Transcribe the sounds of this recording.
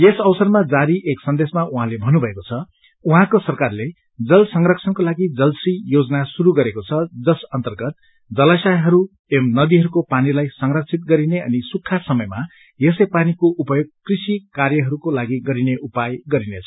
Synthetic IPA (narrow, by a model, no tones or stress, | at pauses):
jesʌwsʌrmad͡zaɾiʔeksʌnd̪esmaʔuɦãlebʱʌnːubʱʌekot͡sʰʌ | uɦãkosʌrkarle | d͡zʌlsʌŋrʌkt͡sʰʌnkolaɡid͡zʌlsrijod͡zʌnasuɾuɡʌɾekot͡sʰʌd͡zʌsʌnt̪ʌrɡʌt̪̚ | d͡zʌlasajɦʌɾu | emnʌd̪iɦʌɾukopanilajsʌŋrʌk̚sʰit̪̚ɡʌɾineʌ̰nisukʰːasʌmʌjma | jesʌjpanikoʔupʌjoɡ̚krisikarjʌɦʌɾukolaɡiɡʌɾineʔupajɡʌɾinet͡sʰʌ̥